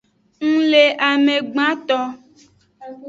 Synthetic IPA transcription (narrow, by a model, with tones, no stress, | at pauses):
ŋ̩˦le˨ʔa˨me˨ɡ͡bã˦t̪ɔ˦